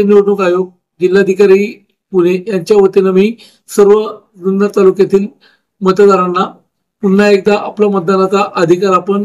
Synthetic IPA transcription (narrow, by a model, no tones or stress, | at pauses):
eniɽnokajoɡ̚ | d͡ʑilːad̪ʱikaɾiː | puɽ̃ejaɲt͡ɕjaʋət̪inamiː | səɾʋə | d̪unːət̪alukjat̪iːl | mət̪əd̪aɾanːa | punːaek̚d̪aʔaplamət̪̚d̪anat͡saʔəd̪ʱikaɾapəɳ